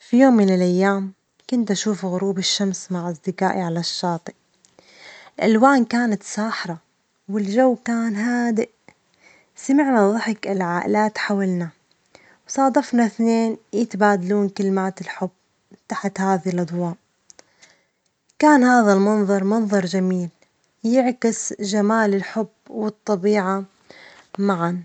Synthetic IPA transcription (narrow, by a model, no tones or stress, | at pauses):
fijoːmːɪnɪlʔajːaːm | kʊnt̪ʔaʃuːfɣʊɾuːbɪʃːamsmaʕʔasd̪ɪkaːʔiʕalaʃːɑːt̪ˤiʔ | ɪlʔalwaːnkaːnat̪saːħɾˤɑ | wɪld͡ʒawːkaːnɦaːd̪ɪʔ | samɪʕnaðˤɑħɪkɪlʕaːʔɪ̰laːt̪ħawalna | wsˤɑːd̪ɑfnaθneːnjɪt̪baːd̪aluːnkɪlmaːt̪ɪlħʊbː | t̪aħt̪haːðilʔɑd̪ˤwɑːʔ | kaːnhaːðalmɑnðˤɑɾˤmɑnðˤɑɾˤd͡ʒamiːl | jɪʕkɪsʒamaːlɪlħʊbwɨt̪ˤːɑbiːʕa | maʕan